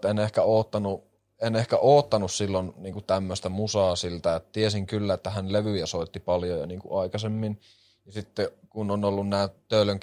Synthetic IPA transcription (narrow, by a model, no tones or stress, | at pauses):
t̪enehkæoːt̪ːɑnu | enehkæʔoːt̪ːɑnussilːonniːŋkut̪æmːøst̪æmusɑːsilt̪æet̪ːt̪iesiŋkylːæet̪ːæhænleʋyjæsoit̪ːipɑljojɑ̰niːŋkṵɑikɑsemːin | jɑsit̪ːekunonolːunnæːt̪øiløŋk